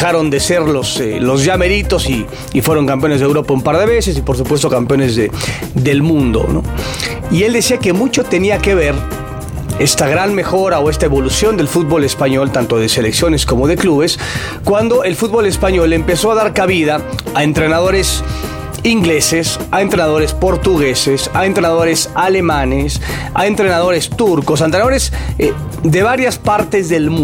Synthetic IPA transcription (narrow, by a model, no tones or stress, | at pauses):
aɾo̞nd̪e̞se̞ɾlo̞selo̞zʝame̞ɾit̪o̞siː | fwe̞ɾo̞ŋkampjo̞ne̞zðewɾo̞paumpaɾð̞e̞βe̞se̞s̬ipo̞ɾs̬upwe̞s̬t̪o̞kampjo̞ne̞zðe | ðe̞lmũnd̪o̞̰no̰ | ie̞ld̪e̞siake̞mut͡ʃo̞t̪e̞niake̞β̞e̞ɾ | e̞st̪aɣɾanme̞xo̞ɾao̞e̞st̪aeβo̞lusjo̞nd̪e̞lfut̪̚βo̞le̞spaɲo̞lt̪ant̪o̞ðese̞le̞ksjone̞sko̞mo̞ðe̞kluβe̞s | kwand̪o̞ʔe̞lfut̪̚βo̞le̞spaɲo̞le̞mpe̞so̞aðaɾkaβiðaːent̪ɾe̞naðo̞ɾe̞s | iŋɡle̞sesaent̪ɾe̞naðo̞ɾe̞spo̞ɾt̪uɣe̞sesaent̪ɾenaðo̞ɾesale̞manes | a̰e̞nt̪ɾe̞naðo̞ɾest̪uɾko̞s̬ent̪ɾenaðoɾez | d̪e̞βaɾjaspaɾt̪e̞zðe̞lmu